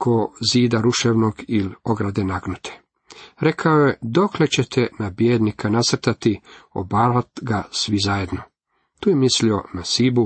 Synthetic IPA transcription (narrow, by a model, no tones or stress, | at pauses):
kʰoziːd̪aɾuʃeʋnoɡiloɡɾad̪enaɡnut̪ʰe̥ | ɾe̞kʰaoje̞d̪o̞kle̞t͡ɕe̞t̪ʰenabjeːd̪nikʰanasr̩t̪at̪io̰baːɾat̪ɡasʋizaje̞d̪no̞ | t̪uːjemislio̞nasibu